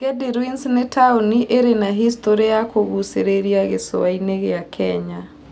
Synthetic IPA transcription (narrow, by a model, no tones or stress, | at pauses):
ɡɛdiɾwinsnetʰauniʔeɾenaɦistoɾejakoɣuseɾeɾjaɣeso̰aineɣeakʰɛɲa